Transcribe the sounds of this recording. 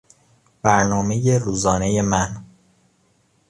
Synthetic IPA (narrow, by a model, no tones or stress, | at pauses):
b̥æɾnɒːmeje̞ɾuːzɒːne̞je̞mæn